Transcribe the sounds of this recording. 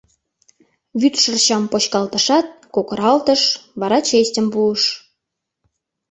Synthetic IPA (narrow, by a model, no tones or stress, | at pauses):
βyt̪ʃərɕɑmpot͡ɕkɑlt̪əʃɑt̪̚kokəɾɑlt̪əʃβɑɾɑt͡ɕestʲəmpuəʃ